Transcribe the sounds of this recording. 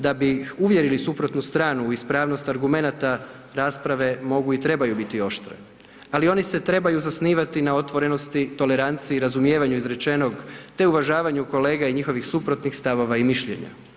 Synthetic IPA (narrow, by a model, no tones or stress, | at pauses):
d̪abiuʋje̞ɾilisupɾo̞t̪nust̪ɾaːnuispɾaːʋno̞st̪aɾɡume̞nat̪a | ɾaːspɾaʋe̞mo̞ɡuit̪ɾe̞bajubit̪io̞ʃt̪ɾḛ | alio̞nise̞t̪ɾe̞bajuzasniːʋat̪inao̞t̪ʋo̞ɾe̞no̞st̪it̪o̞le̞ɾant̪siːɾazumje̞ːʋaɲuizɾe̞t͡ʃe̞no̞ɡt̪e̞uʋaʒaːʋaɲuko̞le̞ːɡaiɲixo̞ʋixsupɾo̞t̪nixst̪aʋo̞ʋaimiʃʎe̞̰ɲa̰